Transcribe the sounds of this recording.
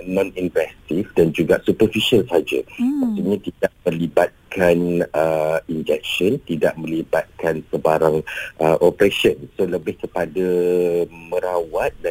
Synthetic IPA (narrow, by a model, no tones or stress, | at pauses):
nɔ̃ninvɛst̪ifdand͡ʒuɡaʔsupərfiʃalsaad͡ʒa̰mak̚t̪iɲãt̪idaʔ̚mə̃libat̪̚kʰanəind͡ʒɛk̚ʃɔnt̪ida̰ʔmə̃libat̪̚kansəbaɾaŋʔəʔɔpɾeʃɔnsoləbɪhkəpada | mə̃ɾawat̪̚da